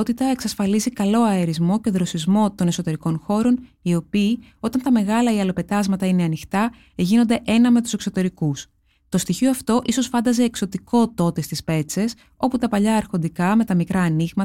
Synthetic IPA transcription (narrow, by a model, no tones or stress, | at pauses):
ot̪it̪ɐe̞ksɐsfɐlizikɐlo̞ɐeɾizmo̞ceðɾo̞sizmo̞t̪o̞ne̞sot̪e̞ɾiko̞nxo̞ɾo̞n | io̞piː | o̞t̪ɐnt̪ɐme̞ɣɐlɐiɐlo̞pe̞t̪ɐzmɐt̪ɐine̞ɐnixt̪ɐ | eʝino̞nd̪e̞ʔe̞nɐme̞t̪u̥se̞kso̞t̪e̞ɾikus | t̪o̞st̪içioɐft̪o̞ʔiso̞sfɐnd̪ɐze̞ːkso̞t̪iko̞t̪o̞t̪e̞st̪ispe̞t͡se̞s | o̞put̪ɐpɐʎɐːɾxo̞nd̪ikɐme̞t̪ɐmikɾɐːniɣmɐ